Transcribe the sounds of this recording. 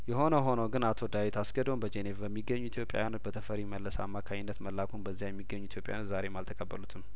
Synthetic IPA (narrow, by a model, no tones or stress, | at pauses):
jɛɦo̞nəɦo̞nəwɡɨnat̪ʰo̞d̪awit̪ʰasɡəd̪o̞nbəd͡ʒenevbəmːiɡːəɲːuit̪jo̞pʼja̰wjanot̪̚bət̪ʰəfəɾiməlːəsa̰mːakʰaɲɪnːət̪məlːakʰunbəzːijajɛmːiɡːəɲːuit̪ʰjo̞pʼajanot̪zaɾe̞malt̪ʰəkʼəbːəlut̪ʰɨm